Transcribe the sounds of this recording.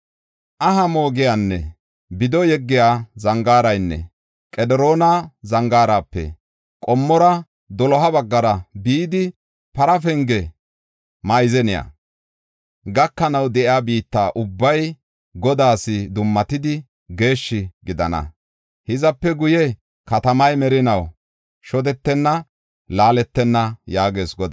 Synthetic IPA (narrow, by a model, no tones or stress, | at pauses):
ʔɐɦɐmo̞ːɡɪjanːɛ̰ | bɪd̪ɔjɛɡːɪjaːzɐŋɡaːɾɐjnːɛ̰ | kʼɛd̪ɛɾoːnɐzɐŋɡaːɾaːpːɛ̰ | kʼɔmːɔɾɐ | d̪ɔlɔɦɐbɐɡːɐɾɐbiːd̪ɪ | pɐɾɐfɛŋɡɛ | mɐjzɛnɪja̰ | ɡɐkːɐnɐwd̪ɛʔɪaːbiːt̪ːaːʔʊbːɐj | ɡɔd̪aːsɪd̪ʊmːɐt̪ɪd̪ɪ | ɡe̞ːʃːɪɡɪd̪ɐ̰nɐ̰ | hɪzɐpːɛɡʊjɛ | kɐt̪ɐmɐjmɛɾɪnɐw | ʃɔd̪ɛt̪ːɛnːɐ | laːlɛt̪ːɛnːɐjaːɡe̞ːsɡɔd̪a